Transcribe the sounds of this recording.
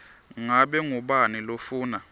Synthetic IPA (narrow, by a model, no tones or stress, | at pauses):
ŋaɓɛŋuɓanilofuːna